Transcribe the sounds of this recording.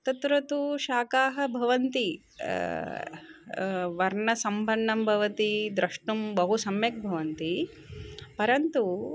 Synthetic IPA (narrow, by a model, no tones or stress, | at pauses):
t̪ɐt̪ɾɐt̪uʃaːkaːɦɐ̆bʱɐʋɐnt̪i | ʋɐɾɳɐsɐmbʱɐɳːɐmbʱɐʋɐt̪id̪ɾɐʂʈumbɐɦusɐmjɐk̚bʱɐʋɐnt̪i | pɐɾɐnt̪u